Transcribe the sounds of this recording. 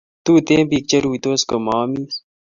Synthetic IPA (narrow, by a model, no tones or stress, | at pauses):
t̪uːt̪ẽːpiːk̚t͡ɕɐɾuːit̪oːskomaːmis